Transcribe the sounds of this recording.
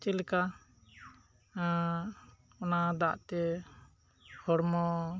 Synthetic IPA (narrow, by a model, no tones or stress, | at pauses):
t͡ʃɛlɛka | ɔnad̪aʔt̪ɛ | hɔɽmɔ